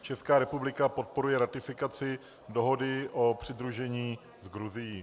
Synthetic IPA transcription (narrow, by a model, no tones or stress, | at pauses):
t͡ʃɛskaːɾɛpublɪkapo̞t̪̚po̞ɾujɛɾat̪ɪfɪkat͡sɪ | do̞ɦo̞dɪʔo̞pr̝̥ɪd̪ɾuʒɛɲiː | zɡɾuzɪjiː